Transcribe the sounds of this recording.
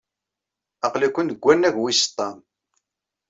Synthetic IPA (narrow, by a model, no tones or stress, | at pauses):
ɑqlikʷːənəɡʷːænːæʝwist̪ˤːɑm